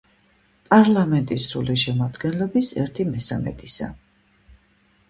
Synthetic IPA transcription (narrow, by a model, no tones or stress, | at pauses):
pʼaɾlamɛnt̪ʼisɾuliʃɛmad̪ɡɛnlɔbisɛɾt̪ʰimɛsamɛ̰t̪ʼisa̰